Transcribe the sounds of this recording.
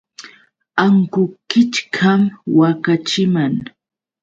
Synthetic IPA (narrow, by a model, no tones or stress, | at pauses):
aŋkʊkɪt͡ʃkʰamwakat͡ʃɪmaŋ